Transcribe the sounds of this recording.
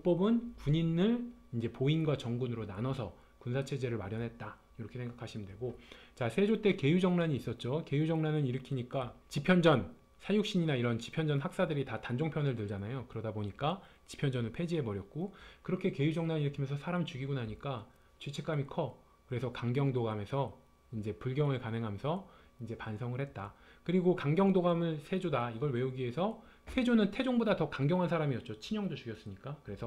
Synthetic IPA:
uk̚p͈ʌbɯnkuɲinɯɭind͡ʑe̞poinɡwat͡ɕʌŋɡunɯɾonanʌsʰʌ | kunsʰat͡ɕʰe̞d͡ʑe̞ɾɯɭmaɾjʌnɦe̞t̚t͈a | iɾʌkʰe̞sʰeŋɡakʰaɕʰimndwe̞ɡot͡ɕasʰe̞d͡ʑot͈e̞ke̞jud͡ʑʌŋnaɲiːs͈ʌt̚t͡ɕ͈oke̞jud͡ʑʌŋnanɯniɾɯkʰiɲik͈at͡ɕipʰjʌnd͡ʑʌn | sʰajuk̚ɕ͈iɲinaiɾʌnt͡ɕi̥pʰjʌnd͡ʑʌnɦak̚s͈adɯɾitatand͡ʑoŋpʰjʌnɯɭtɯɭd͡ʑanajokɯɾʌdaboɲik͈at͡ɕi̥pʰjʌnd͡ʑʌnɯɭpʰe̞d͡ʑiɦe̞mʌɾjʌt̚k͈okɯɾʌkʰe̞ke̞jud͡ʑʌŋnaniɾɯkʰimjʌnsʰʌsʰaɾamt͡ɕuɡiɡunaɲik͈a | t͡ɕɥet͡ɕʰek͈amikʰʌ | kɯɾe̞sʰʌkaŋɡjʌŋdoɡame̞sʰʌ | ind͡ʑe̞puɭɡjʌŋɯɭkanɦɯŋɦamjʌnsʰʌ | ind͡ʑe̞pansʰʌŋɯɭhet̚t͈akɯɾiɡokaŋɡjʌŋdoɡamɯɭsʰe̞d͡ʑodaiɡʌɭwe̞uɡie̞sʰʌ | sʰe̞d͡ʑonɯntʰe̞d͡ʑoŋbodatʌkaŋɡjʌŋɦansʰaɾamiʌt̚t͡ɕ͈ot͡ɕʰiɲʌŋdot͡ɕuɡjʌs͈ɯmɲik͈akɯɾe̞sʰʌ

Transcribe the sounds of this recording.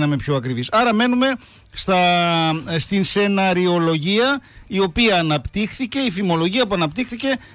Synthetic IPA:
nɐme̞pço̞ɐkɾivisɐɾɐme̞nume̞ | st̪ɐ | st̪inse̞nɐɾio̞lo̞ʝiɐ | io̞piɐːnɐpt̪ixθice̞ifimo̞lo̞ʝiɐpuɐnɐpt̪ixθice̞

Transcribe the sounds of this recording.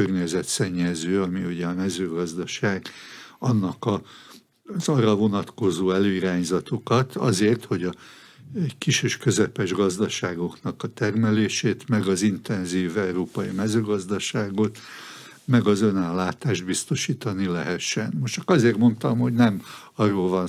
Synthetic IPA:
ørɲɛzɛt̪sɛɲːɛzøːɒmiuɟɛɒmɛzøːɡɒzd̪ɒʃaːɡɒnːɒkɒ | zɒrːɒvo̞nɒt̪ko̞zoːɛløːiɾaːɲzɒt̪o̞kɒt̪ɒ̰zeːrt̪ho̞ɟɒ | kiʃeːʃkø̞zɛpɛʒɡɒzd̪ɒʃaːɡo̞knɒkɒt̪ɛrmɛleːʃeːt̪mɛɡɒzint̪ɛnziːvɛuɾoːpɒimɛzøːɡɒzd̪ɒʃaːɡo̞t̪ | mɛɡɒzønaːlːaːt̪aːʒd̪̚bist̪o̞ʃiːt̪ɒnilɛ̰ɦɛʃːɛnmoʃt͡ʃɒkɒzeːrmo̞nt̪ɒmho̞ɟnɛmɒrːoːlvɒn

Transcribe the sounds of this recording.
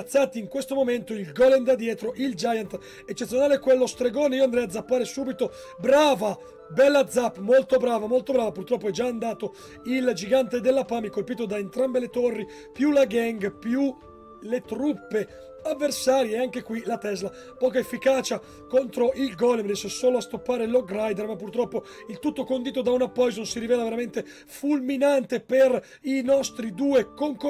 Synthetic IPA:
t̪sːaːt̪iːŋkwest̪omoment̪oilɡɔlend̪ad̪ːjɛːt̪ɾoʔild͡ʒajant̪ | et͡ʃːet̪sjonaːlekwelːost̪ɾeɡoːneiːoand̪ɾɛjad̪zːapːaːɾesuːbit̪o | bɾaːva | bɛlːad̪zːapːmolt̪obɾaːvamolt̪obɾaːvapurt̪ɾɔpːoɛd͡ʒaːnd̪aːt̪o | ild͡ʒiɡant̪ed̪elːapaːmikolpiːt̪od̪aent̪ɾambelet̪orːi | pjulaɡɛŋɡpju | let̪ɾupːe | avːersaːɾjeːaŋk̟ekwilat̪ɛzla | pɔːkaefːikaːt͡ʃa | kont̪ɾoʔilɡɔlːemrisesoːloast̪opːaːɾeloɡɾajd̪ermapːurt̪ɾɔpːo | ilt̪ut̪ːokond̪iːt̪̬od̪aunapːɔjzonsiɾivɛːlaveɾament̪e | fulminant̪eper | inɔst̪ɾid̪uːekoŋk

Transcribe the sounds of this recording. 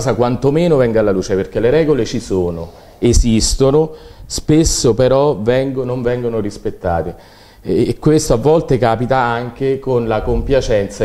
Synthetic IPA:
sakwant̪omeːnovɛŋɡalːaluːt͡ʃeperk̟eleɾɛːɡolet͡ʃisoːno | ezist̪onospesːopeɾɔvɛŋɡonoɱvɛŋɡonorispet̪ːa̰ːt̪i | kːwest̪oavːɔlt̪ekaːpit̪aaŋkekonlakompjat͡ʃɛnt̪sa

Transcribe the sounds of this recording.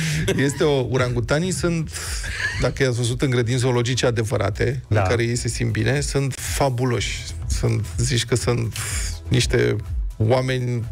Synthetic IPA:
je̞st̪e̞ouɾaŋɡut̪anisunt̪ | d̪akəjasvəzut̪ɨŋɡɾe̞d̪int̪s̬olo̞d͡ʒit͡ʃead̪e̞vəɾʔa̰t̪e̞ɨŋkaɾe̞je̞jse̞simt̪̚bine̞sunt̪fabulo̞ʃʲ | sunt̪zit͡ʃʲkəsunt̪niʃt̪e̞̰wame̞nʲ

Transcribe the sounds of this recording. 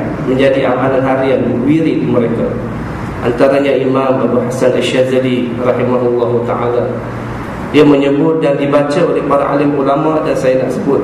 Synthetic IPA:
mə̃ɲd͡ʒadiʔa̰mananɦaɾianəwiɾikəməɾeka | ʔa̰nt̪aɾaɲaimamabuhasanʔalʃazalirɑhimaɦulːɑɦuat̪a̰ʕa̰la | diaməɲəbʊt̪̚dandibat͡ʃaolɛhpaɾa̰ʔa̰lɪmulamadansajanaʔsəbʊt̪̚

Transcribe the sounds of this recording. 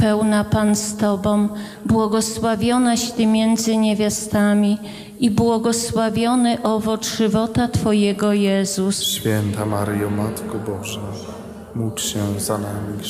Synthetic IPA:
pɛwnapanst̪ɔbɔ̃w̃ | bwɔɡɔswavʲjɔnaɕt̪ɘmʲjɛnd̪zɘɲevʲjast̪amʲi | ibwɔɡɔswavʲjɔnɘʔɔvɔtʂɘvɔt̪at̪fɔjɛɡɔjɛzusɕfʲjɛnt̪amaɾjɔmat̪kɔbɔʐa | mutɕɛzanamʲi

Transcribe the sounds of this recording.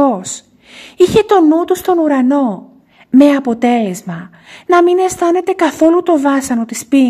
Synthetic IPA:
os | içe̞t̪o̞nut̪ust̪o̞nuɾɐno̞ | me̞ɐpo̞t̪e̞le̞zmɐ | nɐmine̞st̪ɐne̞t̪e̞kɐθo̞lut̪o̞vɐsɐno̞t̪ispi

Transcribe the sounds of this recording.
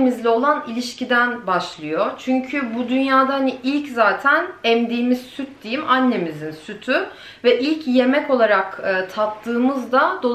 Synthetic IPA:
mizlʲɛo̞lˠanilʲiʃcʰid̪ænbaʃlˠɯjot͡ʃʰyɲcʰybud̪ynjaːd̪ahaniilʲczaːt̪ʰænɛmd̪iːmizsyt̪̚d̪̥ejimanʲːe̞mizinsyt̪ʰy | vɛʔilʲcje̞mɛco̞lˠaɾakɯːt̪ʰap̚t̪ʰɯːmɯzd̪ad̪o̞

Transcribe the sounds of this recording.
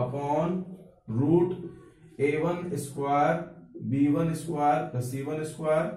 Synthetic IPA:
ɐpɔːn | ɾuːʈ | eːʋɐnɪskwaːɾbiːʋɐnɪskwaːɾɾɐsiːʋɐnɪskaːɾ

